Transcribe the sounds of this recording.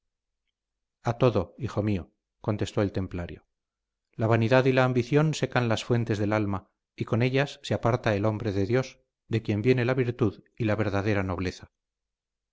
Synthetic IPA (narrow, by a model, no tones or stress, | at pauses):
at̪o̞ðo̞ixo̞mio̞ | ko̞nt̪e̞st̪o̞e̞lt̪e̞mplaɾjo̰ | laβ̞aniðaðilaːmbiθjo̞nse̞kanlasfwe̞nt̪e̞zðe̞lalma | iko̞ne̞ʎasːeapaɾt̪aelo̞mbɾe̞ðe̞ðjo̞s | d̪e̞kje̞mbje̞ne̞laβiɾt̪uð | ilaβe̞ɾðaðe̞ɾano̞β̞le̞θa